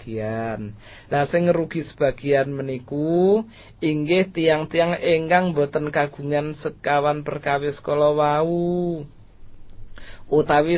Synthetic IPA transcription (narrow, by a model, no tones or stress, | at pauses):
ian | lasɪŋɾuɡ̥i̤sə̥b̥a̤ɡ̥i̤anməniku | iŋɡɪht̪ijaŋt̪ijaŋeŋkaŋmbo̤t̪ənkaɡ̥ṳŋansəkawanpərkawɪskolɔwau | ut̪awi